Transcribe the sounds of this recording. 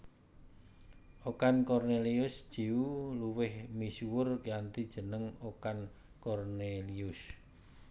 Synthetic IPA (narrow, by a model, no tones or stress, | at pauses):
ʔokankɔrneliʊsd̥ʒ̥iwuluwɪhmisuwʊrkjant̪id̥ʒ̥ə̤nəŋokan | kɔrneliʊs